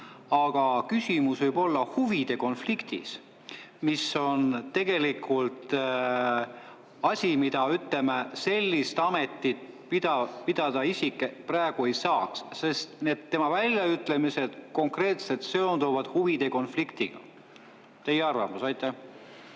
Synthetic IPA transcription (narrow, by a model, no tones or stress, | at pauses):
ɑɡ̥ɑkysʲimusvɯjbo̞lːɑhuvid̪̥e̞ko̞nflikt̪ḭs | miso̞nt̪ːe̞ɡ̥e̞likʰːult̪ | ɑsʲimid̪̥ɑyt̪le̞mese̞lʲːist̪ɑme̞t̪ːit̪̚ | pid̪ɑpid̪̥ɑd̪̥ɑisʲikːˑepræeɡ̥ue̞jsɑːksse̞st̪ne̞d̪̥ːe̞mɑvælʲjɑyt̪ːˑle̞mise̞d̪̥ko̞ŋkre̞ːt̪se̞lt̪se̞ond̪uvɑd̪̥huvid̪̥e̞ko̞nflikt̪iɡ̥ɑ̰ | t̪e̞jeɑrvɑ̰musɑjt̪ːˑæh